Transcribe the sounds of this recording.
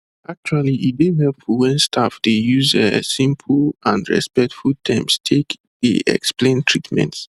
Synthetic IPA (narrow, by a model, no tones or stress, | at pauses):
ak̚t͡ʃualiʔideɦɛlpwɛ̃nstʰafdejuzəsĩmpʰlãndɹɛ̰spɛk̚tfulˠtʰɛ̃mstʰek | dḛɛ̰ksplẽntʰɹitmɛ̰̃nts